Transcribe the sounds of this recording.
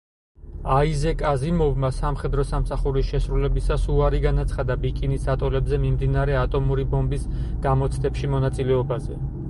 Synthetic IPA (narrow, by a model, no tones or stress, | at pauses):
aizɛkʼazimɔvmasamχɛd̪ɾɔsamsaχuɾisʃɛsɾulɛbisasuaɾiɡanat̪sʰχad̪abikʼinisat̪ʼɔlɛbzɛmimd̪inaɾɛat̪ʼɔmuɾibɔmbisɡ̥amɔt̪sʰnɛpʃimɔnat̪sʼilɛɔbazɛ